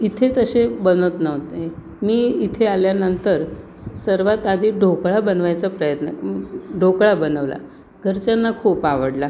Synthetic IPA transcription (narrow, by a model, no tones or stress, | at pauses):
it̪ʰet̪əɕebənət̪nəʋt̪e | miːit̪ʰealjanənt̪əɾ | səɾʋat̪ad̪ʱiːɖʱokɭabənʋajt͡sapɾəjət̪nə̰ɖʱokɭabənəʋla̰ | ɡʱəɾt͡ɕanːakʰuːpaʋəɽla